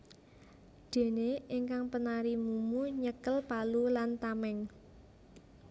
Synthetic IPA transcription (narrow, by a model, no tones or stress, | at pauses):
d̪̥e̤neiŋkaŋpənaɾimumuɲəkəlpalulant̪amɛŋ